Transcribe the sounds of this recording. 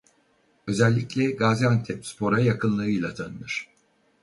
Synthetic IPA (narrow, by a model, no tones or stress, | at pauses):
ø̞zælʲːiclʲɛɡaːziant̪ʰɛpspʰo̞ɾajakʰɯnlˠɯɯjlˠat̪ʰanɯlˠɯɾ̥